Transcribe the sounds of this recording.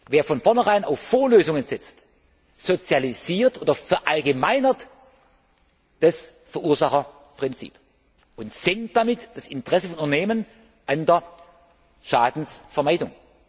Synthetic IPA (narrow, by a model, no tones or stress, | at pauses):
veːɐfɔnfɔɐnəʁaɪnaʊfːoːɐløːzʊŋənzɛt͡st | z̥ot͡sjaliziːɐtʔoːdɐfɛɐʔalɡəmaɪnɐt | d̥as | fɛɐʔuːɐzaχɐ | pʁ̥ɪnt͡sḭːp | ʔʊntz̥ɛŋt̚d̥amɪtd̥asɪntəʁ̥ɛsəfɔnʔʊntɐneːmən | ʔandeɐ | ʃaːdn̩sfɛɐmaɪdʊŋ